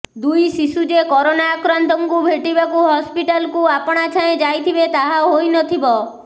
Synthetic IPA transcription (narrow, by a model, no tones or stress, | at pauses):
d̪ujsisud͡ʒekɔɾonaːkɾant̪ɔŋkubʱeʈibakuɦɔspiʈalkuapɔɽ̃at͡ʃʰaẽd͡ʒajt̪ʰibet̪aɦaɦojnɔt̪ʰibɔ